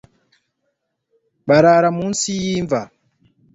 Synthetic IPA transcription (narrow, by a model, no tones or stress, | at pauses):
ɓaɾaɾamunsijiɱva